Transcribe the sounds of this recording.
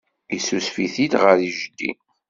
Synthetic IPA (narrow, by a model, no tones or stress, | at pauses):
isusfiθid̪ʁəɾiʒd̪ːḭ